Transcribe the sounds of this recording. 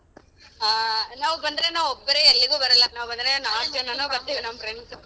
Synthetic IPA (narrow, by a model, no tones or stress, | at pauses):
naːʋubɐnd̪ɐɾenaːʋɔbːɐɾeelːiɡuːbɐɾɐlːɐnaːʋubɐnd̪ɐɾenaːʈɐnːɐnuːbɐɾt̪ːiːʋinɐmːɐfɾeɳs